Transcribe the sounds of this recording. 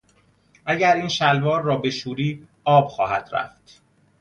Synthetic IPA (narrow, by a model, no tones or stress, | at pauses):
ʔæɟæɾiːnʃælvɒːɾːɒːbe̞ʃuːɾiː | ɒːb̥xɒːhæ̰d̪̥ɾæ̰ft̪